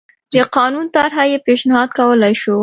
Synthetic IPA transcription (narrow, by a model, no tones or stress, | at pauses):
d̪əqɑnunt̪aɾɦajepeʃnɪhɑd̪̚kawəlajʃu